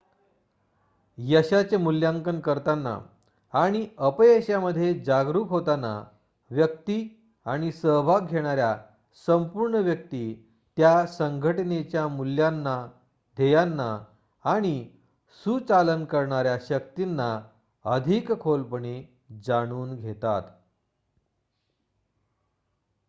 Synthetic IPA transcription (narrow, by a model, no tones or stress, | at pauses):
jəɕat͡semuljãŋkənkəɾt̪anːa̰ | aɽ̃iəpjəɕaməd̪ʱːjed͡zaɡɾuːkɦot̪ana̰ | ʋjək̚t̪i | aɽ̃isəʋʱaɡʱeɽ̃aɾja | səmpuɾɳəʋjək̚t̪iː | t̪jasəŋɡʱəʈnet͡ɕjamuljanːa | d̪ʱejanːa | aɽ̃i | sut͡salənkəɾɳaɾjaɕək̚t̪inːa | əd̪ʱikkʰolpəɳe | d͡zaɽ̃uːnɡʱet̪a̰t̪